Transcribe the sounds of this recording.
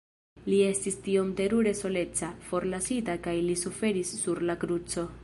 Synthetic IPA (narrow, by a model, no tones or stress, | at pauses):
lie̞stistio̞mte̞ɾuɾe̞so̞le̞t͡safo̞ɾlasitakajlisufe̞ɾisːuɾlakɾut͡so̞